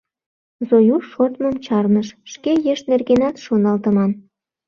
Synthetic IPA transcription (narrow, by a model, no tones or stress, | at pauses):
zojuʃot̪məmt͡ɕɑrnəʃʃkejeʃnerɣenɑt̪ʃonɑlt̪ə̆mɑn